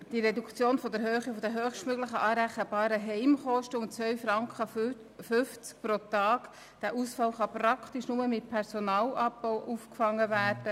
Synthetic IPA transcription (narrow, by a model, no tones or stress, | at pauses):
d̥iɾɛdukt͡sjoːnfɔdɛɾɦøːχifɔdɛɦøːχʃtmøɡləχəʔɑːɾæχəbɑːɾəɦɛɪmχɔʃtəʊnt͡sʋœɥfɾɑŋkʰχə | fʏft͡sk̚pɾotɑːk | d̥æːʔusfɑlχɑpɾɑkχtiʃnʊməmɪt̚pʰɛɾsonɑːlʔɑbbɔwʔufkfɑŋːəvæːrd̥ə